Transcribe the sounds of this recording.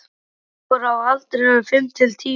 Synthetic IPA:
ɔɾawalt̪ɾɪɛʏfɪmt̪ʰɪlt̪ʰiː

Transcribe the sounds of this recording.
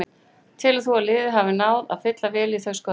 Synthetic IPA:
n | t̪ʰɪlaθualɪːðɪɦavɪnaːwða̰̥fɪt̪lavɛːliθœskɔ

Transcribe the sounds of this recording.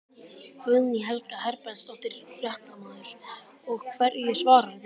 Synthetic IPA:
kʰvʏðniɦɛlkaɦɛɾpɛnst̪awht̪ɪɾfjɛht̪amaːðʏɾ̥ | ɔɣkʰvɛɾjɛsvaːɾa

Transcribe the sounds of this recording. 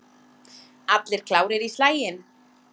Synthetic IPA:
at̪lɪɾ̥kʰlaːwɾɪɾislaːjɪn

